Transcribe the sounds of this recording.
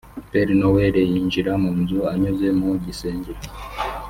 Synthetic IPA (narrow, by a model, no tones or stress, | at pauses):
pɛɾinɔwɛɾɛjiɲd͡ʒiɾamunzuaɲuzɛmuɟisɛɲd͡ʒiɾa